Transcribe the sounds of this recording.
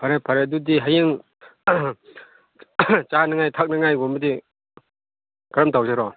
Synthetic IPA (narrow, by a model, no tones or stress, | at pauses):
pʰaɾepʰaɾedudiɦajeŋ | t͡ʃanaŋajtʰak̚naŋajɡɔmɯdi | kaɾɐmtʰawsaɾɔ